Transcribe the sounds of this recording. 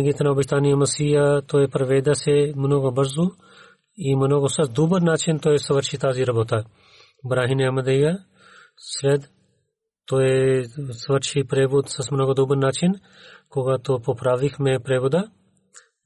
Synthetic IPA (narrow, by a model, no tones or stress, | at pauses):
ɡit̪ɐɾnaobiʃt̪aːnijɐmɐsijɐt̪oepɾɐʋed̪ɐsemnoːɡobəɾzu | imnoːɡosɐd̪ubəɾnaːt͡ʃint̪oɛsɐʋəɾʃit̪aːziɾɐboːt̪ɐ | bɾaːɦineɐmɐd̪ejɐ | sʋɛd̪ | t̪oesɐʋəɾʃipɾeːbod̪sɐsmnoːɡod̪ubəɾnat͡ʃin | koɡat̪opopɾaːʋixmepɾebod̪ɐ